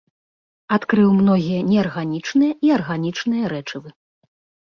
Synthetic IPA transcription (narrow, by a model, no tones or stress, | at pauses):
at̪kɾɨwmnɔɣʲijɐnʲɛarɣanʲit͡ʂnɨjɐʔiarɣanʲit͡ʂnɨjɐɾɛt͡ʂɨvɨ